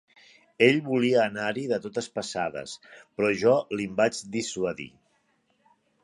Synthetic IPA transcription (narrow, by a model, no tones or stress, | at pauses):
eʎβuliəːnaɾiðət̪ot̪əspəsað̞ə̰spɾɔʒɔlimbat͡ʃd̪iswəðḭ